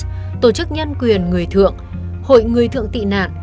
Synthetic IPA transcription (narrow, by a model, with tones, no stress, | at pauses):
t̪o˧˩t͡ɕɨ˦˥k̚ɲə˧ŋkwi˨˩ənŋɨ˨˩əjt̪ʰɨ̰˧˨əŋ | ho̰˧˨jŋɨ˨˩əjt̪ʰɨ̰˧˨əŋt̪ḭ˧˨na̰ː˧˨n